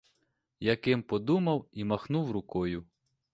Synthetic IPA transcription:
jɐkɪmpɔd̪umɐwimɐxnuwɾʊkɔjʊ

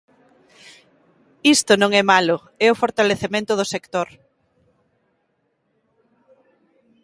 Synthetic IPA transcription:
ist̪ʊnõŋɛmalʊ | ɛʊfoɾt̪aleθemẽnt̪ʊðʊsekt̪oɾ

